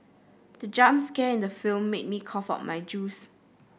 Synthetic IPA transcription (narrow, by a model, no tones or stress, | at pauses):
dəd͡ʒãmskɛɪ̃ndəfilmːet̚mikʰɔfa̰tmajd͡ʒus